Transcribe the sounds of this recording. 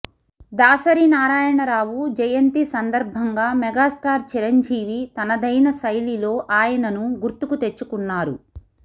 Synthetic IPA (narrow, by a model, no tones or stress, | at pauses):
d̪aːsɐɾiːnaːɾaːjɐɳɐɾaːwud͡ʒɐjɐnt̪isɐnd̪ɐɾbʱɐŋɡaːmɛɡaːsʈaːɾt͡ʃiɾɐɲd͡ʒiːʋit̪ɐnɐd̪ɐjnɐsɐjlilo̞ːʔaːjɐnɐnuɡuɾt̪ukut̪et͡ʃːukunːaːɾṵ